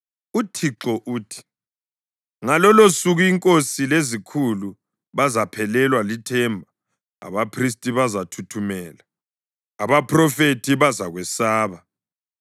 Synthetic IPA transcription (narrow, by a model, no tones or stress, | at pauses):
utʰiǁɔʔuːtʰi̥ | ŋalɔlosuɣuiŋkʼosilezikʰulu | βazapʰɛlɛlwalitʰɛmbʱa | a̰βapʰristʼiβazatʰutʰumɛːlaː | βapʰrɔfetʰiβazaɣwɛsaːβa